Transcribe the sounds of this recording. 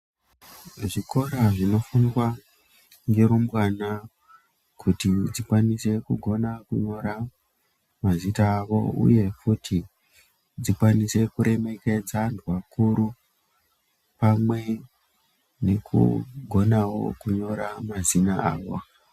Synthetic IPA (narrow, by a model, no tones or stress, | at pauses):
ʐiko̞ɾaʐino̞funiwa | ŋɡeɾumbwana | kʰutid͡zikwanise̞kuɡʱo̞nakuɲo̞ɾa | mazitaːʋo̞̰ṵje̞futʰi | d͡zikwanise̞kuɾe̞me̞ke̞d͡zandwakuɾu | pamwe̞ | ne̞kʰṵɡʱo̞nawo̞̰kuɲo̞ɾamazinaaːʋo